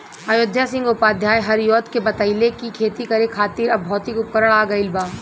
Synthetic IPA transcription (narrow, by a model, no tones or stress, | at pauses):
ajod̪ʱjasɪ̃ŋɡʊpaːd̪ʱjaːjɦɐɾjoːt̪kebɐt̪əɪlekikʰeːt̪ikɐɾekʰaːt̪iːɾɐbbʱɔːt̪ikʊp̚kəɾəɭ̃aːɡɐɪlbaː